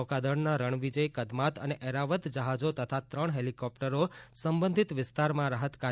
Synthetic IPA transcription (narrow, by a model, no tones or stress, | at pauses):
ɔkad̪əɳnaɾəɳʋid͡ʒəjkəd̪mat̪ə̰neʔɛɾaʋət̪d͡ʒəɦad͡ʒot̪ət̪ʰat̪ɾəɳ̃ɦelikɔpʈəɾosəmbə̃nd̪ʱit̪ʋɪst̪aɾmãɾaɦət̪ka